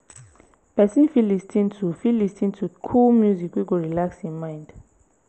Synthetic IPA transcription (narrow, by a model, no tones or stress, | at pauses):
pɛsĩnfilistʰĩntʰufilistʰĩntʰukʰulmjuzikwiɡɔɹilakshĩnmãjnd